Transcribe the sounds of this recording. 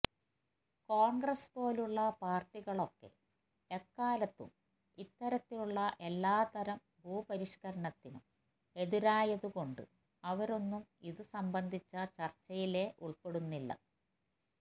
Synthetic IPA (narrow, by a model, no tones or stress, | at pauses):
koːɳɡrɐspo̞ːluɭːɐpaːrʈːiɣɐɭo̞kːe̞̰ | ekːaːlɐt̪ːṵm | it̪ːɐɾɐt̪ːiluɭːɐʔe̞lːaːt̪ɐɾɐm | bʱuːpɐɾiʂkɐɾɐɳɐt̪ːinṵm | e̞ðiɾaːjɐðuko̞ɳɖɨ̰ | ɐʋɐɾo̞nːumiðɨsɐmbɐnd̪ʱit͡ɕːɐt͡ɕɐrt͡ɕːɐjile̞ʔuɭpe̞ɽunːilːɐ̰